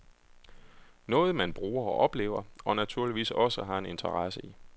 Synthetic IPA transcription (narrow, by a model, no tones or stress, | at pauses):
nɔ̽ːð̞̩ˠmænb̥ʁuːɐɒʔɒ̽b̥le̝̰ːʊɐɒ̽næt͡sʰuɐliʋḭːsɒ̽səɦɑ̈e̝ne̝nt͡sʰɐʁɑsəi